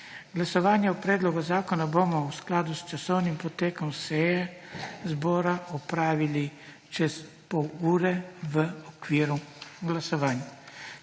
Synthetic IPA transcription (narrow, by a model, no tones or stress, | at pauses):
ɡlasɔʋaːnjɛɔpɾɛːd̪lɔɡazaːkɔnabomɔwsklaːd̪ust͡ʃasɔwnimpɔt̪eːkɔmsɛjɛzbɔːɾaʔɔpɾaːʋili | t͡ʃɛs | pɔwuːɾɛʋəɔkʋiːɾuɡlasɔʋaːnja